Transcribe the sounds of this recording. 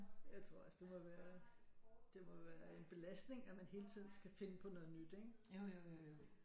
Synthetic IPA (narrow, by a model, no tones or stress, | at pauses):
jɑ̈ɪt͡sʰʁo̝ɐ̰ɒsəd̥e̝mɒ̽ʋæːɐ | d̥e̝mɒ̽ʋæːɐe̝nb̥e̝læsd̥ne̝ŋæmænɦe̝ːlt͡sʰið̞̰ˠn̩sɡ̥æfe̝nəpʰɒ̽nɔ̽ð̩ˠnyd̥eɡ̥